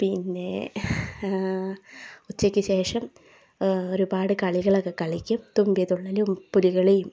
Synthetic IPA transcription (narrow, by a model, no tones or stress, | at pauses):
pinːe̞ | ut͡ɕːɐkʲːɨɕe̞ːʂɐm | o̞ɾubaːɽɨkɐɭiɣɐɭokːekɐɭikʲːumt̪umbijɐðuɭːɐlumpuliɣɐɭejum